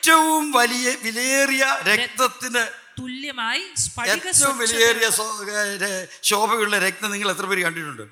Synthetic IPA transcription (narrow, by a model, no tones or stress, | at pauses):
tːɐʋumʋɐlijɐʋilɐeːrijɐɾek̚t̪ɐt̪ːinɨ | t̪uljɐ | eːtːɐʋumʋilɐjeːrijɐs | ɕo̞ːbʱɐɣɐuɭːɐɾek̚t̪ɐniŋɡɐɭet̪rɐpeːɾikɐɳɖiʈːuɳɖɨ̰